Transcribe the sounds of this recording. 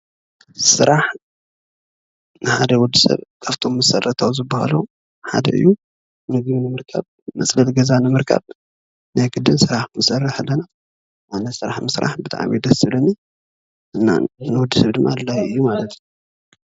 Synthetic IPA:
sɨɾʔaħ | nɨħad̪ɐwɔd̪ːisɐ̰βkʰaft̪ʰo̞mːɨsɐrːɐt̪ʰawuzɨbːaha̰lo | ħa̰d̪ɐ̰ɨ̰jːu | nɨɡβinɨmɨɾkʰa̰β | mɐt͡sʼlɐt̪ɡɐzanɨmɨɾkʰa̰β | najɡɨd̪ːɨnsɨɾaħmɨsɐrːɨħalːɐna | ʔanɐsɨɾaħmɨsɾa̰ħbɨt̪ʰa̰ʕmid̪ɐsɨlɐni | ʔɨnːa̰nɨwɔd̪ːisɐβd̪ɨmːad̪lajɨjːumalɐt̪ʰju

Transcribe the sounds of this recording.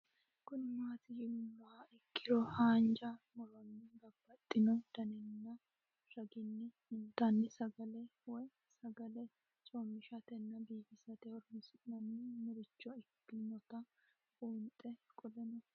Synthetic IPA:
kʊnɪmaːt̪ɪjɪmnːɐaɪkʰːɪdɾɔhaːnd͡ʒɐmɔlɔnːɪɡɐbːɐt̪ʼːɪnɔd̪̥ɐnɛnːɐ | ɾɐɡɪnːɛ | ɪnt̪ːɐnːɪsɐɡɐlɛwɔj | sɐɡɐlɛ | t͡ʃʼɔmːɪʃɐt̪ɛnːɐbiːɡɪsɐt̪ɛɔɾmɪsɪnɐnːɪmɪɾɪt͡ʃːɔɪkːɪnːɔt̪ɐ | ʔuːnt̪ʼɛkʼɔlɛnɔ

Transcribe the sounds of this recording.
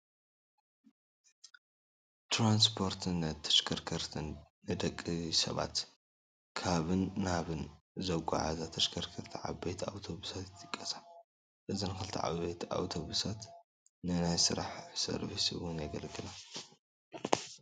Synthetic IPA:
t̪ɾans̬pʰo̞ɾt̪ʰɨnːt̪ʰːɐ̥ʃkʰɐɾkʰɐɾt̪ʰɨnː | ɨd̪ɐkʼːisɐ̰βa̰t̪ | kʰaβɨnːaβɨn | zɐɡʷa̰ʕa̰zat̪ʰɐʃkʰɐɾkʰɐɾt̪ʰiʕa̰βbejt̪ʰa̰wt̪ʰo̞βusat̪ɨt̪ʰʼːɨkʼːɐsḁ | ʔɨzinɨxɨlt̪ʰiʕa̰βbejt̪a̰wt̪ʰo̞βusat̪ | nɨnajsɨɾaħsɐ̰ɾbisɨwʊnjɛɡɐlɡɨla

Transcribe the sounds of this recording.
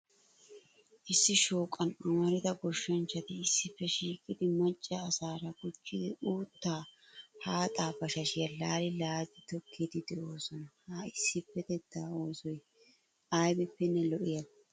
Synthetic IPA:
ʔɪsːɪʃoːkʼːɐnɐmɐɾɪd̪ɐɡɔʃːɐnt͡ʃːɐt̪ɪɪsːɪpːɛʃiːkʼɪd̪ɪmɐt͡ʃʼːɐːsaːɾɐɡʊt͡ʃːɪd̪ɪʔuːt̪ːaːhaːt̪ʼaːbɐʃɐʃɪjɐlaːlɪlaːzɪt̪ɔkʰːid̪ɪd̪ɛʔo̞ːsɔnɐhaɪsːɪpːɛd̪ɛd̪ːaːo̞ːsɔj | ʔɐjbɪpːɛnːɛlɔʔɪjɐ

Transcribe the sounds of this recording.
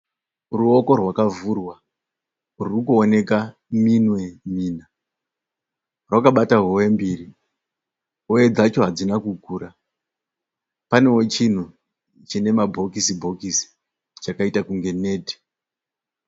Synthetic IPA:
ruo̞ko̞rwakavurwa | rurukuone̞ka | minwe̞miːna | rwakaɓataɦowe̞mbiri | oed͡zat͡ʃo̞ɦad͡zinakukuːɾa | pane̞wo̞t͡ʃin̤u | t͡ʃine̞mabʱo̞kisibʱo̞kisi̥ | t͡ʃakaitakuŋɡe̞ne̞ːdʱi̥

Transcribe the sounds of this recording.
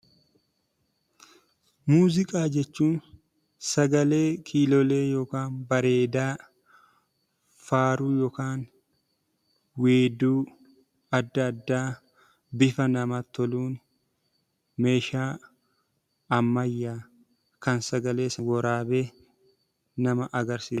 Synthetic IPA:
muːzɪkʼaːd͡ʒɛt͡ʃːuːn | sɐɡɐle̞ːkʰiːlɔle̞ːjoːkaːnbɐɾe̞ːd̪aː | faːɾuːjɔːkaːn | weːd̪uː | ɐd̪ːɐːd̪ːaː | bɪfɐnɐmɐt̪ːɔluːn | me̞ːʃaː | ɐmːɐjːaː | kɐnsɐɡɐle̞ːsɐwɔɾaːbe̞ː | nɐmɐʔɐɡɐɾsiː

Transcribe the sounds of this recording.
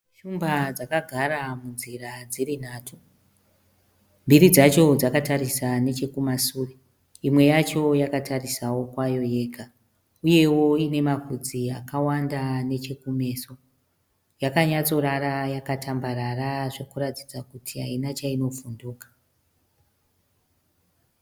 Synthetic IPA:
ʃumbad͡zakaɡʱaɾamunzirad͡ziɾin̤aːtʰu | mbiɾid͡zat͡ʃo̞d͡zakataɾisane̞t͡ʃe̞kumasuːre | imwe̞jat͡ʃo̞jakatarisawo̞kwajo̞jeːkʰa | uje̞wo̞ine̞makud͡ziakawandane̞t͡ʃe̞kume̞ːso̞ | jakaɲat͡so̞ɾarajakatambaɾaraʐe̞kurati̥d͡zakutʰiɦainat͡ʃaino̞funduːkḁ

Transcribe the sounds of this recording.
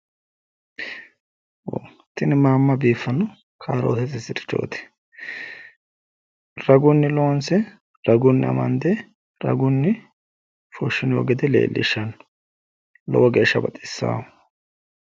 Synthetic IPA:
wo̰ | t̪ɪnɪmaːmːɐbiːfːɐnːʊ | kʰaːɾoːt̪ɛt̪ːɪsɪt̪ɪ̥t͡ʃːo̰ːt̪ɛ̥ | ɾɐɡʊnːɪloːnsɛ | ɾɐɡʊnːɪɐ̰mɐ̰nd̪ɛ | ɾɐ̰ɡʊnːɪ | fʊʃːɪnɪɔ̰ɡɛd̪ɛlḛːlːɪ̰ʃːɐn | lɔ̰wɐɡeːʃːɐbɐt̪ʼɪ̥sːa̰ː

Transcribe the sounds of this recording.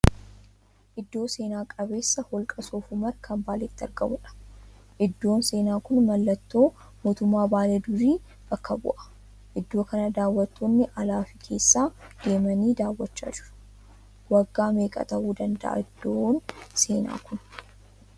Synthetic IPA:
ʔɪd̪ːo̞ːse̞ːnaːkʼɐbe̞ːsːɐhɔlkʼɐsoːfʊmɐɾkʰɐmbaːlɛt̪ːɪɐ̰ɾɡɐmʊᶑɐ̥ʔɪd̪ːo̞ːnse̞ːnaːkʊnmɐlːɐt̪ːo̞ː | moːt̪ʊmːaːbaːle̞ːd̪ʊɾiː | b̥ɐkːɐbʊ̰ʔɐ̥ | ʔɪd̪ːo̞ːkɐnɐd̪aːwːɐt̪ːonːɪʔɐlaːfɪkʰe̞ːsːaːd̪̥e̞ːmɐniːd̪aːwːɐt͡ʃːa̰ːd͡ʒɪɾɐ̥ | wɐɡːaːme̞ːkʼɐ̰t̪ɐʔuːd̪ɐnd̪ɐʔa̰ɪd̪ːoːnse̞ːna̰ːkʊn

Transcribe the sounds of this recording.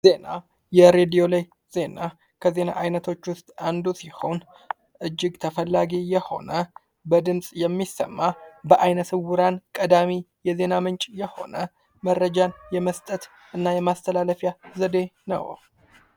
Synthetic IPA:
ze̞na | jɛɾe̞d̪ijo̞laj | z̥e̞na | kʰəze̞na̰ʔajnət̪ʰo̞t͡ʃːwʊst̪ʼand̪usiho̞̰n | ʔɨd͡ʒːɪɡt̪ʰəfəlːaɡijɛho̞̰nə | bəd̪ɨnsʼjɛmːisːə̰mːabəʔajnəsɨwʊɾankʼəd̪amijɛze̞namɨnt͡ʃʼjɛho̞̰nə | mərːəd͡ʒanjɛməst̪ʼət̪ | ʔɨnːajɛmast̪ʰəlaləfjazəd̪e̞nə̰w

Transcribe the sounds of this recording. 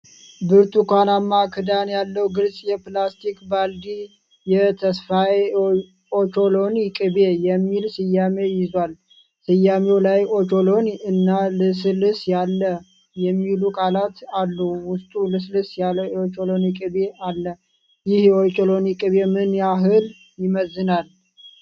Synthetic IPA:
bɨɾt̪ʰukʰʷanamːakʰɨd̪anjalːəwɡɨlsʼjɛplast̪ʰikbald̪i | jɛt̪ʰəsfaj | ot͡ʃo̞lo̞njɪkʼɨbe̞jɛmːilsɨjːame̞jɪzwal | sɨjːamewlajot͡ʃo̞lo̞nɨnːalɨslɨsjalːə | jɛmːilukʼalat̪alːuwʊst̪ʼulɨs̬lɨsjaləot͡ʃolonikʼɨβealːə | jɪhjot͡ʃolonikʼɨβemɨnjaɦɨl | jɪməzːɨnal

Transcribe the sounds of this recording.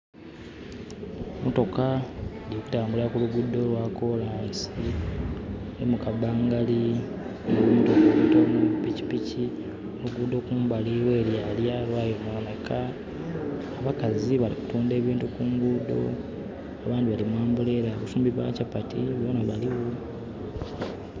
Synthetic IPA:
moto̞kalijoku̥taːmbuleakuluɡudːo̞lwako̞laːnsi | nemukabaːŋɡali | ŋuumtokoutomuβipːici̥pici | oluɡudo̞kuːmbaliweːljaːljalwajomoonekʰaː | βakaziβaliku̥tuːnde̞ːβiːntukuːŋɡudo̞̰ | aβaːndiβalimwaːmbuleɾaβusuːmbiβa̰capatiβo̞naβaliwo

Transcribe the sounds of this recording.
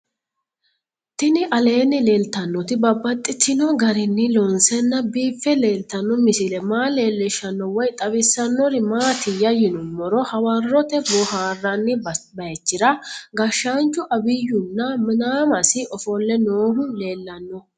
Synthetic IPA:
t̪ɪnɪʔɐle̞ːnːɪle̞ːlt̪ɐnːɔt̪ɪbɐbːɐt̪ʼːɪt̪ːɪnɔɡɐɾɪnːɪlɔnsɛnːɐbiːfːɛle̞ːlt̪ɐnːɔmɪsɪlɛmaːleːlːɪʃːɐnːɔwɔjt̪ʼɐbɪsːɐnːɔɾɪmaːt̪ɪjɐjɪnʊmːɔɾɔhɐwɐrːɔt̪ɛbɔhaːrːɐnːɪbɐɛt͡ʃːɪɾɐɡɐʃːaːnt͡ʃːʊʔɐbɪjːʊnːɐmɪnaːmɐsɪʔɔfɔlːɛnoːɦʊle̞ːlːɐnːɔ

